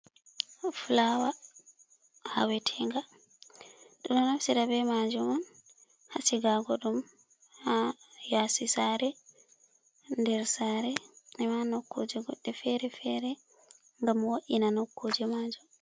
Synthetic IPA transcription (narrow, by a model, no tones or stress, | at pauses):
flawa | ha̰wɛtʰɛŋɡa | ɗunɔnafsiɾabɛmad͡ʒumɔn | hasiɡaɡɔɗum | hajasisaɾɛ | ndɛɾsaɾɛnɛmanokːod͡ʒɛɡɔɗːɛfɛɾɛfɛɾɛ | ŋɡamwoʔinanokːod͡ʒɛmad͡ʒum